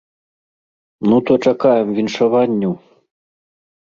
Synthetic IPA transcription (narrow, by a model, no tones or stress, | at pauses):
nut̪ɔt͡ʂakajɛmvʲinʂavanʲːuw